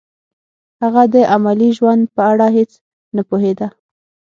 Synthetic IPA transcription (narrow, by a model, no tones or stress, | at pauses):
haɣad̪əʔamaliʒwand̪̚pəaɽɑɦet͡s | napoɦed̪a